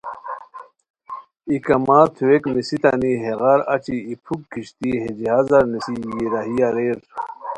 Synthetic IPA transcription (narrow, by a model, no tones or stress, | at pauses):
ikɐmaːt̪ʰuwekmisit̪ɐ̰niɦeɣaɾɐt͡ɕiːpʰukːiɕt̪iɦed͡ʑiɦazɐɾnisijiɾaɦijaɾeːɾ